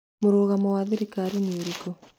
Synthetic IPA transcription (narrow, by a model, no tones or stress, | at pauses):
moɾoːɣamowaːðiɾikaːɾinioɾiko